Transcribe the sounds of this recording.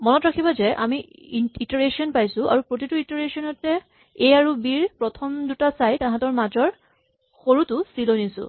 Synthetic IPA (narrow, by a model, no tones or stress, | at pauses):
mɔnɔtɹakʰibazɛʔa̰mi | itɔɹesiɔnpajsʊ̃ʔa̰ɹupɹot̬ituitɔɹesɔnɔtːɛ | ejaɹubiɹpɹɔtʰɔmdutasajtãɦãtɔɹmazɔɹ | xoɹutʊsilonisʊ̰̃